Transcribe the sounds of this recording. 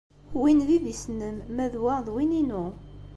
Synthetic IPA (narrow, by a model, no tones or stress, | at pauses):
winðiðisnəmːæðwaʁðwininu